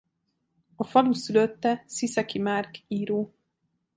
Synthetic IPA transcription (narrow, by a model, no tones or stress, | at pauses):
ɒfɒlusyløt̪ːɛsisɛkimaːrkiːɾoː